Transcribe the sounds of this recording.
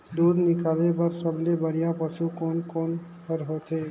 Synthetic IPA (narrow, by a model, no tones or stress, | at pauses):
d̪ud̪ʱnikalepəɾsəblebəɽ̤ijapəsukonkoːn | pəɾɦot̪e